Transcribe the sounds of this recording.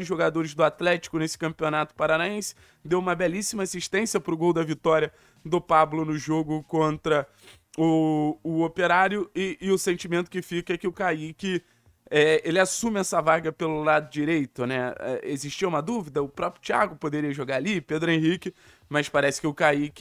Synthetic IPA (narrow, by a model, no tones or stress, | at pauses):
d͡ʒɪʒoɡad̪oɾɪzd̪ʊat̪lɛt͡ʃi̥kʊnesɪ̥kɐ̃mpionat̪ʊ̥paɾanaẽsɪ̥ | d̪ewũmɐbɛlisimɐasiʃt̪ẽsiɐpɾʊɡowd̪ɐvit̪ɔɾiɐ | d̪ʊpablʊnʊʒoɡʊkõnt̪ɾɐ | ʊʊopeɾaɾjʊɪʔːʊsẽnt͡ʃimẽnt̪ʊkɪfikɐkɪʊkaikɪ | ɛelɪasũmɪɛsɐvaɡɐpelʊlad̪ʊd͡ʒiɾejt̪ʊnɛɛ̰eziʃt͡ʃiɐũmɐd̪uvid̪ɐʊpɾɔpɾjʊt͡ʃia̰ɡʊpod̪eɾiɐʒoɡaɾaliped̪ɾʊẽɦikɪ | mɐspaɾɛsɪ̥kɪʊkaikɪ